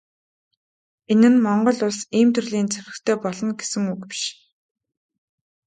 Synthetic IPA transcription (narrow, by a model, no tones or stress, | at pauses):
enɘ̆nmɔɴɢɞ̆ɮʊɮsiːmt̪ʰɵrɮiːnt͡sʰeɾɘ̆xt̪ʰeːpɔɮɞ̆nɡesɘ̆ŋukpi̥ʃ